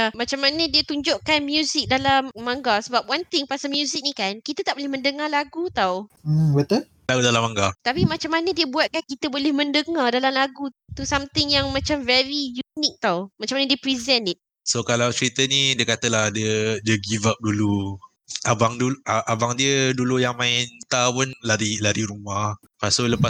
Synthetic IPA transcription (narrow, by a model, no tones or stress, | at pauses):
amat͡ʃamːanədiət̪uɲd͡ʒʊʔkanmjuzɪk̚dalamːãŋɡasəbap̚want̪ɪŋpasalmjuzɪk̚nikankit̪ət̪aʔbolɪhmə̃ndəŋalaɡut̪aw̩wət̪ə | laɡudalamaŋɡat̪apimat͡ʃamːanədiəbuat̪̚kankit̪əbolɛhmə̃ndəŋardalamlaɡut̪usamt̪ɪŋjaŋmãt͡ʃamvɛɹijunik̚t̪awmat͡ʃamanədiəpɾizɛnɪt̪̚ | sokalawt͡ʃəɾit̪ənidiəkat̪əlahdədiəɡivap̚dulu | abaŋduaʔabaŋdiədulujaŋmãɪnt̪awʊnlaɾilaɾiɾumah | kasoləpa